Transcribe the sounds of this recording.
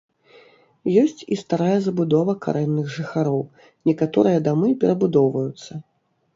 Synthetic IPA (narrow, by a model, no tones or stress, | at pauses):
jɔsʲt͡sʲist̪aɾajɐzɐbud̪ɔvɐka̰ɾʔɛnːɨɣʐɨxaɾɔw | nʲɛkat̪ɔɾɨjɐd̪amɨpʲɛɾɐbud̪ɔwvɐjut̪sːɐ